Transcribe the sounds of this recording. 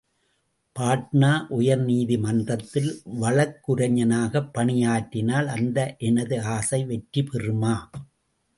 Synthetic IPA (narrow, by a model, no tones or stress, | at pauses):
paːʈ̚naːʔʊjɐɾniːðimɐndrɐt̪ːɪlʋɐɭɐkːɯɾɐɲɐnaːɣɐpːɐɳɪjaːʈːɪnaːlɐnd̪ɐʔɛnɐðɯaːsɐɪʋɛʈɾipɛrɯmaː